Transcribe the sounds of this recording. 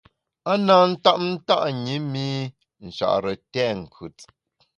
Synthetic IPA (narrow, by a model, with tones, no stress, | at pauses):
a˦naː˦n̩˦ta˦ʔn̩˦ta˦ʔɲi˨˦mi˦ | n̩˨ʃa̰˨ʔɾə˨tɛː˦˨ŋ̩˨kʰʉ˨˦t͡s